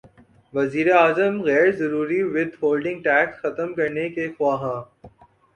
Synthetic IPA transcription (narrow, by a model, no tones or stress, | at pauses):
ʋɐziːɾeaːzəmɣɛːɾzɐɾuːɾiʋɪd̪ʱhoːlɖɪ̃ŋɡ̚ʈɛːksxɐt̪əmkɐɾnekexʊaːɦãː